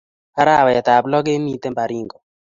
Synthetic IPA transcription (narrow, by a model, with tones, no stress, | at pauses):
a˦ɾa˦˨wa˨ja˨t̪a˨blɔ˦ɡe˦mi˦t̪ɛ˦mba˨ɾi˦˨ŋɡɔ˨